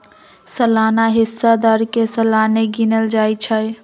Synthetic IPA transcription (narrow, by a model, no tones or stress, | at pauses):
səlaːnaɦɪsːad̪aːɾkesəlaːneɡinəld͡ʒaːjt͡ʃʰəj